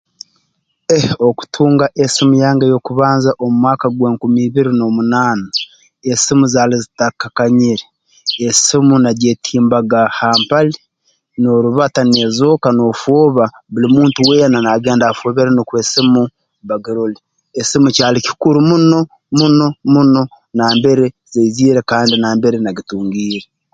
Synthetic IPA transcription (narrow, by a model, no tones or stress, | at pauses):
eho̞ku̥tʰuːŋɡaʔesimujaːŋɡajo̞kuβaːnzaʔomumwaːkaɡweːŋkumiːβiɾino̞munaːna | esimuzaːlizitakakaɲiɾe | esimunaɟetʰiːmbaɡahaːmpali | no̞ɾuβatanezo̞kano̞ːfoːβaβulimuːntuwe̞ːnanaɡe̞ːndaːfoβeɾanikweːsimu | βaɡiɾoli | esimucaːliki̥kuɾumuno̞ | muno̞muno̞ | naːmbe̞ɾe | zeiziːɾekaːndinaːmbeɾenaɡituːŋɡiːɾe